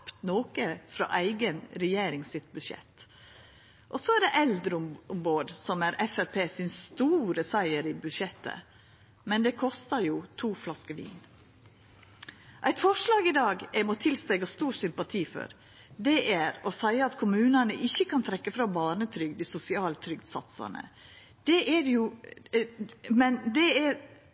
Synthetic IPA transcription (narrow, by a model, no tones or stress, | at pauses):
pt̪noːkəfɾɑ̰ʔæɪɡənɾɛjeːɾɪŋsɪt̪bʉd̪ʂɛ̰t̪ | ʔɔsɔæɖɛʔɛld̪ɾəʊʊmboːɖ̪sɔmæɾɛfæɾpʰeːsɪnst̪uːɾəsæɪəɾɪbʉd̪ʃɛt̪ʰːə̰ | mɛnd̪ɛkʰɔst̪əɾjuːt̪ʰuːflɑskəʋḭːn | ʔæɪt̪fɔʂlɑːɡɪd̪ɑːɡɛmɔt̪ʰɪlst̪ɛɡɑst̪uːɾsʏmpɑt̪ʰiːfɔ̰ɾ | d̪ɛʔæɾɔsæɪəɑt̪kʰʊmʉːnənəʔɪçːəkɑnt̪ʰɾɛkːəfɾɑbɑːɳət̪ʰɾʏɡd̪ɪsʊsɪɑːlt̪ʰɾʏɡd̪sɑ̰t̪sɑ̰nə̰ | d̪̥ɛʔæɾju | mɛnd̪ɛæɾ